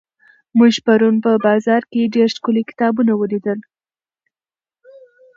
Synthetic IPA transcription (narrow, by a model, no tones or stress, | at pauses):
muʒpaɾunpəbɑzɑɾkeɖeɾʃkulekɪ̥t̪ɑbunawəlid̪əl